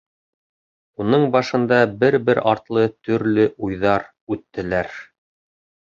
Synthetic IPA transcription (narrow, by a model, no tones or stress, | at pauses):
unɤɴbɑʃɤ̆nd̪ɑbɘɾbɘɾɑɾt̪lˠɤt̪ɵ̆ɾlɘʔujðɑɾ | ʉt̪ːɘ̆læɾ